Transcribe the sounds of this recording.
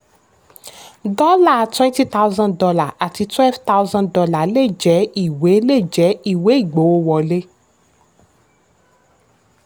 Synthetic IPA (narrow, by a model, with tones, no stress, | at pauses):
dɔ˦la˦˨twɛ̃˦nti˦t̪a˦u˦zã˦ndɔ˧la˨ʔa˨ti˧twɛ˦lvta˦wzã˦dɔ˧la˨le˦˨d͡ʒɛ˨˦i˦˨we˨˦le˦˨d͡ʒɛ˨˦i˦˨we˨˦i˦˨ɡ͡bo˨˦o˦wɔ˨le˦